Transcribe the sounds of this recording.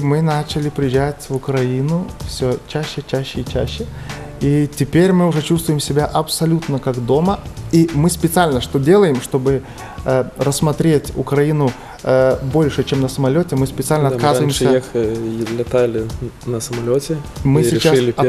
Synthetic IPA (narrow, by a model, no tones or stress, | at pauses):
mɨnat͡ɕɪlʲɪpɾʲɪjɪʑætʲvʊkɾɐinʊfsʲot͡ɕæɕːɪt͡ɕæɕːɪit͡ɕæ̰ɕːɪ | itʲɪpʲeɾʲmɨʊʐɛt͡ɕust̪vʊjɪmsʲɪbʲaʔɐpsɐlʲut̪nəkaɡd̪o̞məimɨspʲɪt̪sɨalʲnəʂt̪o̞dʲe̞lˠəjɪmʂt̪o̞bɨ | əɾəsmɐt̪ɾʲetʲʊ̰kɾɐinʊ | bo̞lʲʂɨt͡ɕemnəsəmɐlʲotʲɪmɨspʲɪt̪sɨalʲnəɐkazvəɪmsʲəexlʲɪt̪alʲɪnəsəmɐlʲotʲɪmɨsʲɪt͡ɕslʲɪ